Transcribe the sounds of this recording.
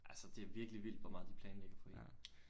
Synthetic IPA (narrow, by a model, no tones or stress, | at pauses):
ʔælsəd̥e̝æʋiɐɡ̥əliʋil̰d̥ʋɒmɑ̈ːðˠd̥ipʰl̥ɛːnleɡ̥ɐfʰɒ̽e̝n